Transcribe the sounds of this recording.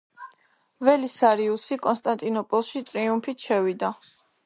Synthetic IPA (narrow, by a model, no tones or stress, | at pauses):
vɛlisaɾiusikʼɔnst̪ʼant̪ʼinɔpʼɔlˠʃit̪ʼɾiumpʰit̪ʃʰɛvid̪a